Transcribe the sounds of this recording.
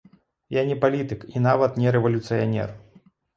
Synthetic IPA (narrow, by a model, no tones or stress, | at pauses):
janʲɛpalʲit̪ɨkinavɐt̪nʲɛɾɛvɐlʲut̪sɨjanʲɛ̰r